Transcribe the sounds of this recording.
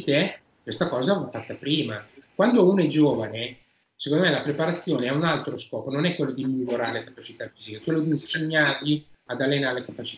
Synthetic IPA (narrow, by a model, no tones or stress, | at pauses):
t̪e | kwest̪akɔːzaafat̪ːapɾiːmakwand̪ounoɛd͡ʒoːvane | se̥kond̪omɛlapɾepaɾat̪sːjoːneɛunalt̪ɾoskɔːpononɛkːwelːod̪imiloɾaːɾelekḁpat͡ʃit̪afiːzikeɛkwelːod̪iseɲːarʎiad̪alːenaɾelekapat͡ʃi̥t